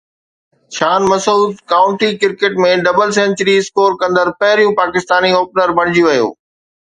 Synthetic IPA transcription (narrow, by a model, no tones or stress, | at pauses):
ʃaːnmɐsuːd̪kaːʊ̃ɳʈikɪɾkeːʈmẽɖɐbəls̬ɛ̃ɲt͡ɕəɾiɪskoːɾkɐ̃nd̪əɾpɐɦɪɾijũpaːkɪst̪aːniɦoːpnəɾbɐɽ̃ɪd͡ʑiuʋɐjo̰ː